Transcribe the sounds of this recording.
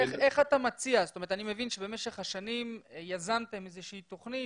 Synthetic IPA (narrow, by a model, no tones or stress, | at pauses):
eχe̞χat̪amat͡siazotoe̞ʁt̪anime̞vinʃebe̞me̞ʃeχhaʃanimjazamt̪emezeʃiit̪o̞χni